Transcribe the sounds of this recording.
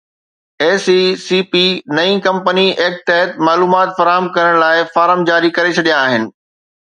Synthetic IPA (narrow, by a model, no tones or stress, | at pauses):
eːsisiːpinɐĩkɐ̃mpənieːk̚t̪ɛɦət̪maːluːmaːt̪fɐɾaːɦəmkɐɾəɽ̃laːɪfaːɾɦəmd͡ʑaːɾikɐɾet͡ɕʰɐɗijãːɦɪnɪ̆